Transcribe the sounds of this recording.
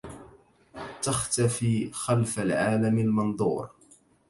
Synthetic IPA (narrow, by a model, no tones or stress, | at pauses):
t̪axt̪afiːxalfalʕaːlamalmɑnd̪ˤṵːɾ